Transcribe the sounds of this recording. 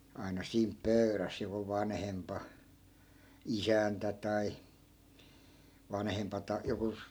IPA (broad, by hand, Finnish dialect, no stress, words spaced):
ɑi̯nɑ siːmp pøy̞ræs joku ʋɑnhempɑ isæntæ tɑi ʋɑnhempɑ tɑ joku